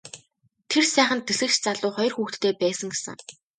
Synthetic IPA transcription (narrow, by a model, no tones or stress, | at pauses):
t̪ʰersæːχə̆nt̪ːeɮɘ̆kt͡ɕt͡saɮʊːχɔjɞ̆rxuːxt̪ʰːeːpæːsə̆ŋɡesə̰̆ŋ